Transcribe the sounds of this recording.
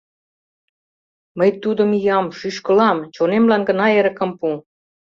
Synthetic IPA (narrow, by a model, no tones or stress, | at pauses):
məjt̪ud̪ə̆mijɑmʃyʃkəlɑmt͡ɕonemlɑnɡə̆nɑeɾə̆kə̆mpu